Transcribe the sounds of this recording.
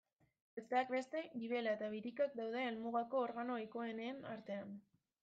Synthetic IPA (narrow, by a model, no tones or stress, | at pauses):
est̪eak̚be̞st̪e̞ɡiβ̞e̞laet̪aβ̞iɾikak̚d̪awð̞e̞ːlmuɣ̞ako̞ːɾɣano̞aiko̞e̞neːnaɾt̪e̞an